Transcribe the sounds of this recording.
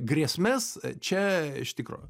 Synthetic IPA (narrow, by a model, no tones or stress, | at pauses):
ɡɾʲiɛsʲmʲɛst͡ʃʲɛɪ̰ʃt̪ʲɪkɾo̰ː